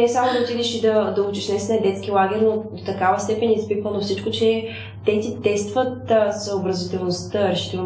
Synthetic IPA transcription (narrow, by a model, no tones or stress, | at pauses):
nɛsamod̪ɐot̪id̪ɛʃid̪ɐd̪ɐut͡ʃiʃnɛsnɐɛd̪ɛt̪skilˠaɡɛɾʲnod̪ot̪ɐkavəst̪ɛpɛnʲispikvənofsit͡ʃkot͡ʃɛ | t̪ɛt̪it̪ɛst̪vət̪səobɾɐzit̪ɛlˠnost̪əɾɛʃi̥t̪ɛ